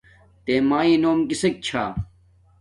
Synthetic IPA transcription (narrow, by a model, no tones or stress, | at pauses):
t̪eːmaːĩːnoːmkisek̚t͡ɕʰa̰ː